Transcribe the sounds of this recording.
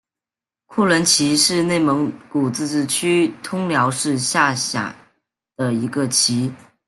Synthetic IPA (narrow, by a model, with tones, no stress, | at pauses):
kʰu˥˩lə˧˥nt͡ɕʰi˧˥ʂɻ̩˥˧ne˥˩ɪmɤ˧˥ŋku˨˩t͡sɹ̩˥˧ʈ͡ʂ̩˥˩t͡ɕʰy˥t̪ʰʊ˥ŋljɑ˧˥ʊʂɻ̩˥˧ɕja˥˩ɕja̰˨˩ | d̪̥ə˦i˧˥ɡə˧t͡ɕʰi˧˥